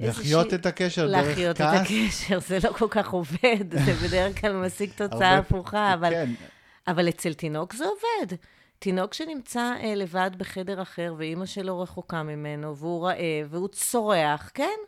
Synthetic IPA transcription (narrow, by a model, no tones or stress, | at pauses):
laχjoetakeʃeʁleχjot̪eakeʃeʁzelo̞ko̞lkaχo̞vedzebedeʁeχklalmasiɡto̞t͡saaːfuχaːval | ʔavale̞t͡seltino̞kzeo̞ve̞d | tino̞kʃenimt͡sale̞vadbeχe̞de̞ʁaχe̞ʁveimaʃelo̞ʁeχokamime̞no̞veuʁaʔeveut͡so̞ʁeaχke̞n